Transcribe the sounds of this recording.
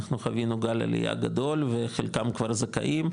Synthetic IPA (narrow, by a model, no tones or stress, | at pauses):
aχnuχavinuɡala̰lḭja̰ɡad̪o̞lveχelkamkvaɾzaka̰ʔim